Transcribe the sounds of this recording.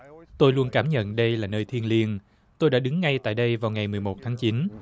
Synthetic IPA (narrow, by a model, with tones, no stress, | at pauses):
t̪o˧jlu˧ənkaː˧˩mɲə̰˧˨nɗə˧jlaː˨˩nəː˧jt̪ʰi˧ənli˧ən | t̪o˧jɗa̰ː˧˥ɗɨ˨˦ŋːa˧jt̪a̰ː˧˨jɗə˧jvaː˨˩wŋa˨˩jmɨ˨˩əjmo˨˩t̚t̪ʰaː˨˦ŋt͡ɕi˨˦n